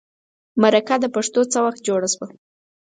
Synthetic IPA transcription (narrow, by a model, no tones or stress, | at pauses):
maɾakad̪əpaʂt̪ot͡səwaxt̪̚d͡ʒoɽaʃwa